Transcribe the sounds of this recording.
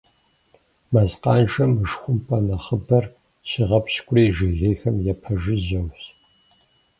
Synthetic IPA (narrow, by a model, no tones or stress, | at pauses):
mɐzqɑːnʒɐmɨʂxʷʊmpʼɐnɐχəbɐr | ɕiʁɐpɕkʷʼʊriːʒɨɣeːxɐmjɛpʰɐʒɨʑɐwɕ